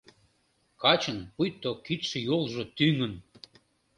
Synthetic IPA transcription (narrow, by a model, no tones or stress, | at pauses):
kɑt͡ɕənpujt̪ːokit̪ʃə̆jolˠʒot̪yŋə̆n